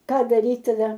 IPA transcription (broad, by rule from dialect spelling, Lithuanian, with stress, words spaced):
ˈkɑː dɐˈrʲiːt tɐˈdɐ